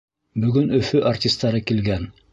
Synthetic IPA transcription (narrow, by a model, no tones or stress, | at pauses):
bɵ̆ɡɵnɵ̆fɵʔartʲist̪ːɑɾɤkilɡæn